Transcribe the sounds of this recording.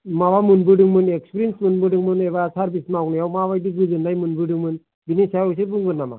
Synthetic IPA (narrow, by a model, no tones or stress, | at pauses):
maβamɯnbɯdɯŋmɯnekspɾensmɯnbɯɖɯŋmɯneβasʰaɾbismaknajawmaβajdiɡɯzɯndajmɯnbɯdɯŋmɯn | binisajɔjs̬ɯbɯŋɡɯnːama̰